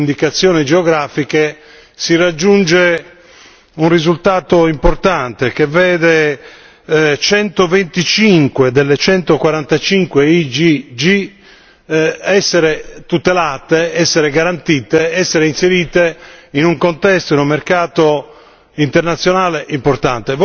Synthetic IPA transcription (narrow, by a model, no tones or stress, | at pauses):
nd̪ikat̪sːjɔːnid͡ʒeɔɡɾaːfike | sirad͡ʒːund͡ʒe | unrizult̪aːt̪oimport̪ant̪ek̟evɛːd̪e | t͡ʃɛnt̪ovent̪it͡ʃiŋkwed̪elːet͡ʃɛnt̪okwaɾant̪at͡ʃiŋkweid͡ʒid͡ʒi | ɛsːeɾet̪ut̪elaːt̪eɛsːeɾeɡaɾant̪iːt̪eɛsːeɾeinseɾiːt̪einuŋkont̪ɛst̪oinumːerkaːt̪o | int̪ɛrnat̪sːjonaːleʔimport̪ant̪ev